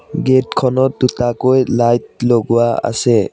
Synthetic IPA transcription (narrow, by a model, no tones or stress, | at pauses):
ɡetkʰɔnɔd̪utakojlajt̚lɔɡuwaa̰se